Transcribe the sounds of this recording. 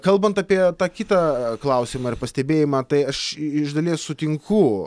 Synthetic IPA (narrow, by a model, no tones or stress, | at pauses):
kɐlˠbɐnt̪ɑːpʲiɛt̪ɑːkʲɪt̪ɑklˠɐʊsʲiːmɑːɪɾpɐsʲt̪ʲɛbʲeːjɪmɑːt̪ɐɪɐʃɪʒd̪ɐlʲeːssʊt̪ʲɪŋkʊ